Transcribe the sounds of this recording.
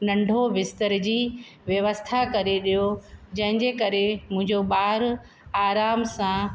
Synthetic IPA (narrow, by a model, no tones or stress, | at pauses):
nɐ̃ɳɖʱoʋɪst̪əɾd͡ʑiːʋjɐʋəst̪ʰakɐɾeɗijod͡ʑɐ̃ɦɪ̃ɲd͡ʑekɐɾemʊ̃ɦɪ̃ɲd͡ʑobaːɾ | aːɾaːmsã